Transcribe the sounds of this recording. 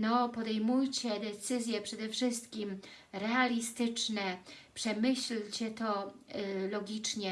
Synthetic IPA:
nɔpɔd̪ɛjmujt͡ɕɛd̪ɛt̪sɘzʲjɛpʂɛd̪ɛfʂɘst̪kʲimɾɛalʲist̪ɘt͡ʂnɛpʂɛmɘɕlt͡ɕɛt̪ɔ | lɔɡʲit͡ʂɲɛ

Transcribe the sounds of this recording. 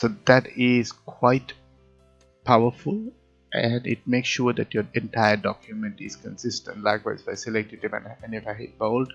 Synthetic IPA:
sod̪æʈɪzkʰwaɪʈ | pʰaʊəɾfʊl | ʔæ̃nɪ̰ʈ̚meːksʃuːɾd̪æʈjoɾɛ̃nʈaɪəɖɔ̰kʰjumə̃nʈɪ̰z̥kə̃nsɪsʈə̃nʈlaɪkwa̰ɪzbaɪsɛlɛk̚ʈɪʈivɛ̰̃nɛ̃nifaebold

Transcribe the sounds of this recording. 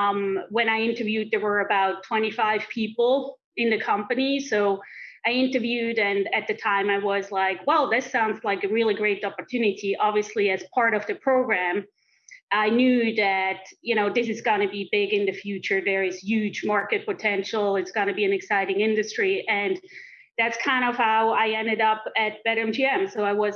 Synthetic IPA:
mwɨ̃ñaɪɪ̃ntə˞vjʉd̪̚ðə˞wə˞ɨbaʊtʰːw̥ɛ̃ɾ̃ifaɪv̥pʰipl̩ˠ | ɪ̃nðɨkʰʌ̃mpɨnisoʊaɪɪ̃ntə˞vjʉɾɨ̃nɨt̪̚ðɨtʰãɪ̃maɪwʌzlaɪkwɛlˠðɨtsãʊ̃ndzlaɪkɨɹɪlˠiɡɹeɪɾɑpə˞tʰʉnɨɾiʔɑbviɨsliɨz̥pʰɑɹɾʌvðɨpʰɹ̥oʊɡɹæ̃m | ʔaɪnjʉðɨt̚jɨñoʊðɪsɨzɡʌnɨbibɪɡɨ̃nðɨfjʉt͡ʃə˞ðə˞ɨz̥jʉd͡ʒmɑɹkɨt̚pʰɨtʰɛ̃nʃl̩ˠɨtsɡ̥ʌñɨbiɨ̃nɨksaɪɾɪ̃ŋɪ̃ndɨstɹ̥iʔɨ̃n | ðætskʰãɪ̃ndʌv̥haʊaɪɛ̃ndɨɾʌpɨt̚b̥ɛɾɛ̃md͡ʒʰiɛ̃msoʊaɪwʌz

